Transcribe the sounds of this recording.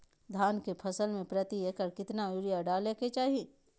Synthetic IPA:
d̪ʱaːnkepʰɐsəlmẽpɾət̪ieːkəɾkɪt̪naʊɾɪjaɖaːleket͡ʃaːɦii

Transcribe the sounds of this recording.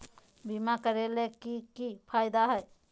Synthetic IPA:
bimakəɾelekikipʰajd̪aɦəj

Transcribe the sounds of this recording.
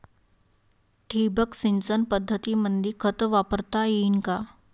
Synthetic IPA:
ʈʰibəksint͡sənpəd̪ʱːət̪iːmənd̪iːkʰət̪ʋapəɾt̪ajinka

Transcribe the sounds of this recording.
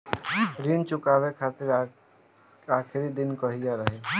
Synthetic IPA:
ɾiːnt͡ʃʊkaːʋekʰaːt̪ɪɾ | aːkʰɪɾid̪ɪnkəɦijaɾəɦe

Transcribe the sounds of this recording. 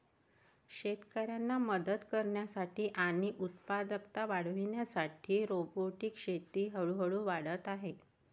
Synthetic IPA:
ɕet̪kəɾjanːaməd̪əd̪kəɾɳjasaʈiːʔañiʔut̪pad̪əkt̪aʋaɽ̤ʋiɳjasaʈʰiːɾoboʈiːkɕet̪iːɦəɭuɦəɭuːʋaɽət̪aɦe

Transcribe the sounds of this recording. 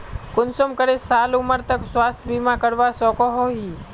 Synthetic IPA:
kʊnsomkəɾesaːlʊməɾt̪əkswaːst̪ʰbiːmãkəɽʋasɔːkoɦoɦiː

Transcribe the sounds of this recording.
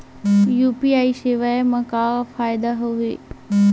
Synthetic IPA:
juːpiaːiʃeʋaemɐ̃kafaːjɪd̪aɦuʋeː

